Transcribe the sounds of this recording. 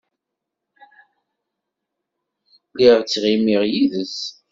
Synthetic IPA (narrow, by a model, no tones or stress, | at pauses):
liʁt͡sːʁimiʁjiðəs